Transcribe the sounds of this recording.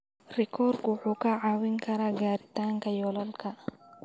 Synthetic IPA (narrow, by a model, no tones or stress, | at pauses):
rɛkʰɔrkwʊħuːkɐʕawɪŋkʰɐɾaːɡaːɾɪt̪aːŋkɐjɔlɔlkʰɐ